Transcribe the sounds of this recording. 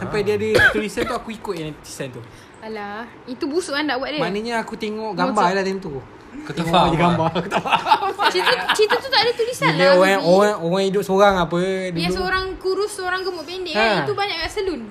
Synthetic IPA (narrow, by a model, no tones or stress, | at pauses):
sampajdiadət̪ulisant̪uakuikʊt̪̚jãŋti̥sant̪u | alah | it̪ubusuʔandaʔbuat̪ʔ̚dəmaʔnəɲaakut̪eŋɔʔɡambalat̪ɛŋɔ̃t̪u | kət̪əŋadiɡambakət̪əfat͡ʃit̪ət͡ʃit̪at̪ut̪aʔdat̪ulisaanlaoaoɣaŋoɣaŋidʊp̚soɾaŋapədasəoɾaŋkuɾʊsːəoɾaŋɡəmʊʔpendeə̃it̪ubaɲaʔkaʔsəlun